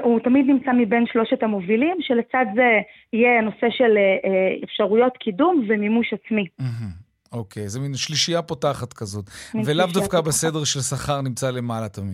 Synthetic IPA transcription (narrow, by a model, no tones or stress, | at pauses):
utamid̪nimt͡samibe̞nʃlo̞ʃetamo̞vilimʃe̞let͡sadze | ijeno̞se̞ʃe̞leʔefʃaʁujo̞t̪kidumvemimuʃat͡smim̩ɦm̩ | okʰejzeminʃliʃijapotaχat̪kazo̞t̪velavdafkabesedeʁʃelsaχaʁnimt͡sale̞malat̪amḭd